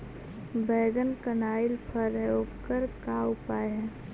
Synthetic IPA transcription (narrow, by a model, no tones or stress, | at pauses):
bɛːɡənkənaːɪlpʰəɾəjoːɡkəɾkaːʊpaːeɦɛ̃ː